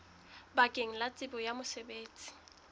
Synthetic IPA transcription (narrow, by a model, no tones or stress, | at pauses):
bakʼeŋ̩lat͡sʼɪbɔjamʊsɛbeːt͡sʼi̥